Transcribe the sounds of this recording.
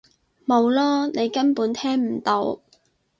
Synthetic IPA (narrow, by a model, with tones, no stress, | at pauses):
mo˨˧wlɔː˥ne˨˧jkɐ˥npuː˨˥nt̪ʰɛː˥ŋm̩˨˩t̪o˨˧˥w